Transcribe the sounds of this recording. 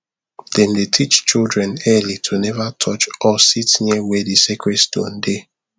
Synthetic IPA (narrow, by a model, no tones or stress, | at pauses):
dɛ̃ndetʰit͡ʃt͡ʃildɹɛ̃nɛlitʰunɛvatʰɔt͡ʃɔsitnɛwedisekɹɛstõ̰nde